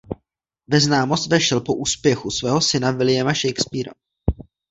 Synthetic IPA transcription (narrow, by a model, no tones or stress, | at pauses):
vɛznaːmo̞st̪vɛʃɛlpo̞ʔuːspjɛxusvɛːɦo̞sɪnavɪlɪjɛmaʃɛjkspiɾa̰